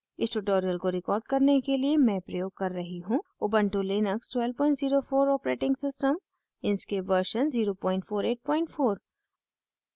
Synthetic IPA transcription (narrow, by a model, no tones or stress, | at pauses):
ɪsʈuʈoːɾijəlkoɾɪkɔːɾɖkɐɾnekeliemɛ̃pɾɐjoːɡ̚kɐɾːɐɦiɦũobə̃ɳʈuleːnəksʈwɛːlpɔ̃ːɪɳʈziːɾofoːɾɔːpɾeːʈɪ̃ŋɡsɪsʈəm | ɪ̃nskeʋəɾʃənziːɾopɔ̃ːɪ̃ɳʈfoːɾeːʈ̚pɔ̃ːɪ̃ɳʈfoːɾ